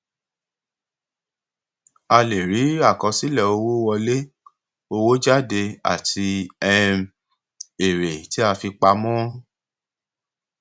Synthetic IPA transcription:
a˧le˨ɾi˨˦a˦˨kɔ̃˧si˦lɛ˦˨o˧wo˦wɔ˧le˦ | o˧wo˦d͡ʒa˦˨de˧a̰˨tʰi˧ɛ˦ | e˨ɾe˨ti˦a˧fi˧k͡pa˧mɔ̃˦

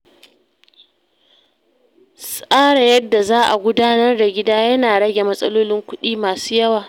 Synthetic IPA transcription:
sʼaː˦ɽa˨jɐ˦dːa˨zaː˦ʔa̰˨ɡʷʊ˦daː˦nɐ˦rda˨ɡʲɪ˦daː˦jɐ˦naː˨ɽɐ˦ɡʲe˨mɐ˦sʼɐ˦loː˦lɪ˦ŋkʷʊ˦ɗiː˦maː˨suː˦jɐ˦waː˨

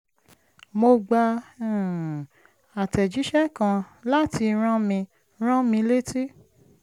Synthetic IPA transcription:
mo˧ɡ͡ba˧˨ | a˨tɛ˨d͡ʒi˨˦ʃɛ˦kã˧la˦ti˧ɾ̃ã˦mĩ˧ | ɾ̃ã˦mĩ˧le˦ti˦

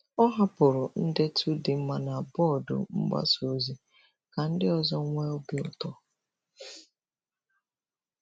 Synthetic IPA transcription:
ɔ˦ɦa˦pʊ˨ɾʊ˨n̩˦dɪ˦tʰu˦dɪ˨m̩˦ma˦na˨a˨bɔ˦˨dʊ̰˨m̩˦ɡ͡ba̰˦so˨zi˦ | ka˨n̩˦dɪ˦ɔ˨zɔ˦ŋʷe˦o˦bɪ˦ʊ̰˦tɔ˦

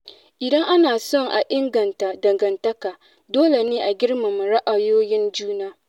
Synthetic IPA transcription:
ʔɪ˨dɐ˦ŋʔa˦naː˨sɔ˦˨ŋʔa˨ʔɪ˦ŋɡɐ˨nta˨dɐ˨ŋɡɐ˨ntɐ˦kaː˨ | doː˦le˨neː˦ʔa˨ɡʲɪ˦ɽma˨m˨ɾa˦ʔa˨joː˦jɪ˦nd͡ʒuː˦naː˦

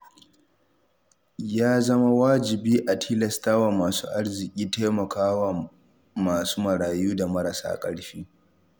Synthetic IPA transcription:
jaː˦zɐ˦ma˦waː˦d͡ʒɪ˨biː˦ʔa˨tʰiː˦lɛ˨staː˦wa˨maː˨sṵː˦ʔa˦ɽzɪ˨kʲʼiː˦teː˦mɐ˨kʰaː˦wa˨ | maː˨suː˦mɐ˨ɽaː˨juː˦da˨mɐ˦ɾa˨sa̰ː˦kʼɐ̰˦ɽɸiː˦

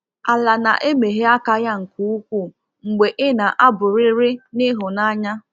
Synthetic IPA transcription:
a˨la˨na̰˨ʔe˦me˨ɦe˦a˦ka˦ja˦ŋ̩˨ku˦u˦kʷu˦˨ | ŋ̩˨ɡ͡be˨ʔɪ˦na˨ʔa˦bʊ˨ɾɪ˦ɾɪ˦nɪ˦ɦʊ˨na˦ɲa˦

